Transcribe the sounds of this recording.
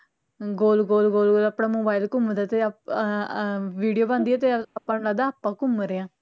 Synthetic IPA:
ɡoːlɡoːlɡoːlɡoːlaːpɽaːmoːbaːilkʊmd̪aːt̪e | ʋiːɖijoːbãːnd̪iːɛːt̪eːapːãːnlaːd̪aapːãːkʊmɾeãː

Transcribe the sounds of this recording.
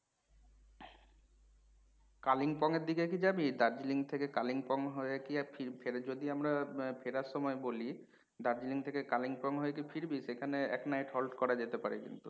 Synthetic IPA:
kaliŋpɔŋeɾd̪ikek̬id͡ʑabid̪aɾd͡ʑiliŋt̪ʰekekaliŋpɔŋɦɔekiafʰipʰeɾed͡ʑod̪iamɾapʰeɾaɾʃɔmɔeboli | d̪aɾd͡ʑiliŋt̪ʰekekaliŋpɔŋɦɔek̬ifʰiɾbiʃekʰaneɛ̰knajʈɦɔlʈkɔɾad͡ʑet̪epaɾekḭnt̪u

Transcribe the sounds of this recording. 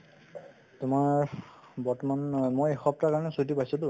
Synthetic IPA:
tʊmaɹ | bɔɹtɔmanmojexɔp̚takaɹɔnɛsudipajsɔdu

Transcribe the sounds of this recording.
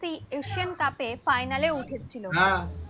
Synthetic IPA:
sieɕijənkapefajnaleuʈʰet̪̚t͡ɕʰiloɦã

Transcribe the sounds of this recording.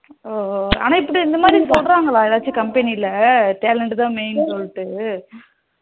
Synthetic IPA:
oɐ̰naɪpːɐɽʈiɪnd̪ɐmaːd̪ɾipoːɽɾaːŋɡɐɭãːɛðaːt͡ʃːɯkɐmpɛniɪlːɐʈeːlɛɳʈt̪ãːmeɪnsɔlːɪʈːɯ

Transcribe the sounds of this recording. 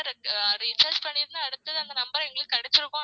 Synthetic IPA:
ɾɾɪsɐɾspɐɳːɪɾɯnaːɐɽɯt̪ːɐðɯɐnd̪ɐnɐmbɐɾɐ̃ɛŋɡɐɭɯkːɯkːɐɽɛt͡ʃːɪɾɯkːõː

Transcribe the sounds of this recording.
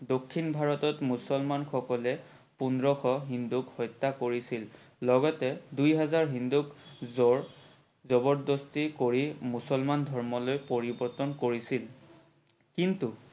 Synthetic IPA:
dokʰːinbʱaɹɔtɔtmusɔlmanxʰɔkɔlɛ | pundɹɔxʰɔɦindukhɔjtːakoɹisilː | ɔɡɔtɛdujɦɛzaɹɦindukzɔɹ | zɔbɔɹdɔstikoɹimusɔlmandʱɔɹmɔlojpoɹibɔɹtɔnkoɹisil | kintu

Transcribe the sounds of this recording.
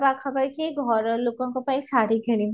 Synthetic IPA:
bakʰɐbəɾkiɡʱɔɾloːkõkopaĩsaːɾiɡʱeɽĩ

